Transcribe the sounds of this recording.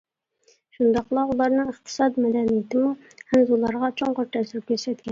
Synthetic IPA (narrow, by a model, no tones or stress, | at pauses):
ʃund̪ɑqlˠɑulˠɑɾnɨŋəχt̪ʰɨ̥sɑd̪mɛd̪ɛnijɪt̪ʰɪmu | hænzulˠɑɾʁɑt͡ʃʰoɴqəɾt̪ʰɛsɪɾp̚kʲʰøɾsɛt̪̚kʲɛn